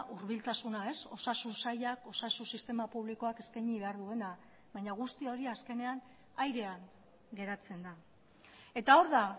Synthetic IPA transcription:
ʔuɾβilt̪asunae̞so̞sasunsajako̞sasunsist̪e̞mapuβ̞liko̞ake̞skajɲiβe̞aɾðue̞na | βajɲaɣ̞ust̪io̞ɾiaske̞ne̞an | ajɾe̞aŋ | ɡe̞ɾat͡se̞nd̪a | e̞t̪ao̞ɾða

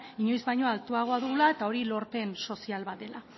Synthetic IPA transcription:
iɲo̞jzβajɲo̞alt̪uaɣ̞o̞aðuɣlae̞t̪ao̞ɾilo̞ɾpe̞nso̞sialβat̪e̞la

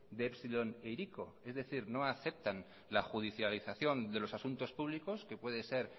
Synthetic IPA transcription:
d̪eepsilo̞nejɾiko̞ | e̞zðe̞θiɾno̞aθe̞p̚t̪an | laxuð̞iθjaliθaθjo̞nd̪e̞lo̞sasunt̪o̞spuβ̞liko̞ske̞pweðe̞se̞ɾ

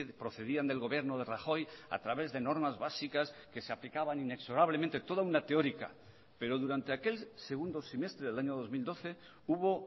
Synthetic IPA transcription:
pɾo̞θe̞ðiand̪e̞lɣo̞βje̞ɾnoð̞e̞raxo̞ja̰t̪ɾaβe̞zðe̞no̞ɾmazβasikaske̞seaplikaβanine̞kso̞ɾaβ̞lemẽnt̪et̪o̞ðaunat̪eo̞ɾika̰ | pe̞ɾo̞ðuɾant̪e̞ake̞lse̞ɣ̞und̪o̞sime̞st̪ɾeðelaɲoðo̞zmild̪o̞θe̞ | uβo̞

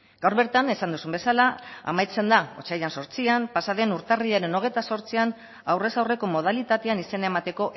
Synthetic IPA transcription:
ɡawɾβe̞ɾt̪ane̞sand̪usumbe̞salaa̰majt͡se̞nd̪ao̞̰t͡ʃajanso̞ɾt͡siampasaðe̞nuɾt̪ariʎaɾe̞no̞ɣ̞e̞jt̪aso̞ɾt͡sian | awre̞sawre̞ko̞mo̞ð̞alit̪at̪e̞anise̞nae̞mat̪e̞ko̞ʔ

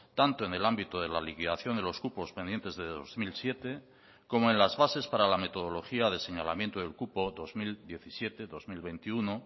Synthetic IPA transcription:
t̪ant̪oene̞lambit̪oð̞e̞lalikiðaθjo̞nd̪elo̞skupo̞spend̪je̞nt̪e̞zðeðo̰zmilsje̞t̪e̞ | ko̞moenlazβase̞spaɾalame̞t̪o̞ð̞o̞lo̞xiaðe̞seɲala̰mjent̪oðe̞lkupo̞ðo̞zmild̪je̞θisje̞t̪e̞ðo̞zmilβe̞nt̪iuno

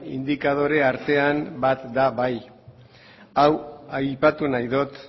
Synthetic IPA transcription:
ḭnd̪ikað̞o̞ɾe̞aɾt̪e̞ambat̪d̪aβaj | awajpat̪unajðot̪

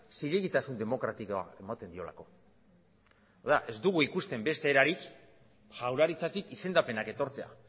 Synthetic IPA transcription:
siʎeɣit̪asund̪e̞mo̞kɾat̪ikoa̰e̞mat̪e̞nd̪io̞̰la̰ko̞ | aðaʔe̞zd̪uɣ̞uikust̪e̞mbe̞st̪e̞ːɾaɾik | ʝawɾaɾit͡sat̪ikise̞nd̪ape̞nake̞t̪o̞ɾt͡se̞a̰

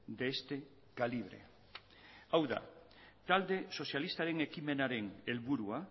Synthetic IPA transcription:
d̪eest̪e | kaliβ̞ɾḛ | awða̰ | t̪ald̪eso̞sjalist̪aɾeŋekimenaɾeŋelβuɾua

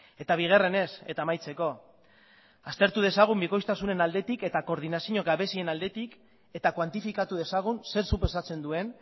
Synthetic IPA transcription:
e̞t̪aβ̞iɣ̞ere̞ne̞se̞̰t̪aːmajt͡se̞ko̞ | ast̪e̞ɾt̪uð̞e̞saɣ̞umbiko̞jst̪asune̞nald̪e̞t̪ike̞t̪ako̞ɾð̞inasiɲo̞ɡaβe̞sie̞nald̪e̞t̪ik | e̞t̪akwant̪ifikat̪uð̞e̞saɣ̞unse̞ɾsupesat͡se̞nd̪ue̞n

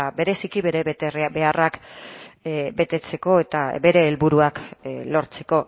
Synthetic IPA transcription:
be̞ɾe̞sikiβe̞ɾet̪erbe̞arak | be̞t̪e̞t͡se̞ko̞e̞t̪abe̞ɾe̞ːlβuɾuaklo̞ɾt͡se̞̥ko̞

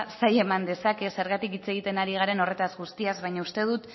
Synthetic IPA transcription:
saje̞mand̪e̞sake̞se̞ɾɣat̪ikit͡se̞ɣit̪e̞naɾiɣ̞aɾe̞no̞re̞t̪azɣust̪iazβajɲaust̪e̞ð̞ut̪

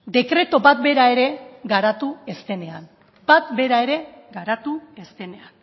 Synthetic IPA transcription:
d̪e̞kɾe̞t̪o̞bat̪be̞ɾae̞ɾe̞ɡaɾat̪ue̞st̪e̞ne̞an | bat̪be̞ɾae̞ɾe̞ | ɡaɾat̪ue̞st̪e̞ne̞an

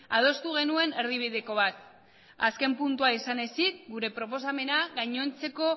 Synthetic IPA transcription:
að̞o̞st̪uɣe̞nue̞ne̞ɾð̞iβ̞iðeko̞β̞at̪ | aske̞mpunt̪uaisane̞sit̪̚ɡuɾe̞pɾo̞po̞s̬ame̞naɣajɲo̞nt͡se̞ko̞

